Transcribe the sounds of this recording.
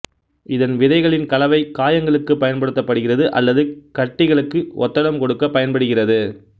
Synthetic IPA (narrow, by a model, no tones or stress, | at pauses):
ɪðɐnʋɪðɐɪɣɐɭɪnkɐlɐʋɐɪkːaːjɐŋɡɐɭɯkːɯpːɐjɐnpɐɽɯt̪ːɐpːɐɽɯɣɪrɐðɯʔɐ̰lːɐðɯkɐʈːɪɣɐɭɯkːɯʔɔ̰t̪ːɐlɐmkɔɽɯkːɐpːɐjɐnpɐɽɯɣɪrɐðɯ